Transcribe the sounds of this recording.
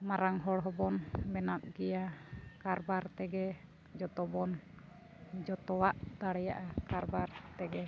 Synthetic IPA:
maɾaŋɦɔɽɦɔbɔnbɛnap̚ɡɛjakaɾbaɾt̪ɛɡɛ | d͡ʒɔt̪ɔbɔn | d͡ʒɔt̪ɔwaʔd̪aɽɛjaʔakaɾbaɾt̪ɛɡɛ

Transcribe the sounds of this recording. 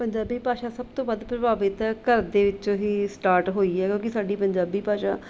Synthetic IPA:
pəɲd͡ʒaːbiːpaːʃaːsəb̚t̪õːbəd̪pɾəbaːbɪt̪ɛːkəɾd̪eːʋɪt͡ʃõːɦiːsʈaːɾʈɦoːiːɦɛːkjõːkɪsaːɖiːpəɲd͡ʒaːbiːpaːʃa̰ː

